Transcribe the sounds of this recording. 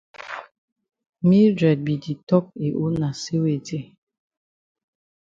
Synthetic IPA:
mi˦dɛ˨d̚bi˨di˨tɔ˦k̚e˨ʔo˦na˨se˦we˨de˦˨

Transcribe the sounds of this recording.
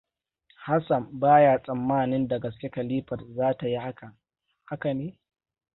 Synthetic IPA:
ha˦sɐ˨mbaː˦ja˦˨sʼɐ˨mːaː˦˨nɪ˦nda˨ɡɐ˨skʲe˦kɐ˨liː˦ɸɐ˨rzaː˦ta˨ji˦ha˦kɐ˨ŋ | ha˦ka˨neː˦

